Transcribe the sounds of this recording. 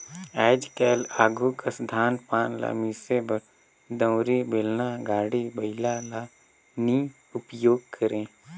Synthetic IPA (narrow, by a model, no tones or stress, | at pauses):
ɛːd͡ʒkɛːlaːɡʱuːkɐsd̪ʱaːnpaːnla̰miːsebə | d̪ə̃wɾibɪlnaɡaːɽibəɪlala | ni | ʊpjoːɡ̚kʰəɾẽː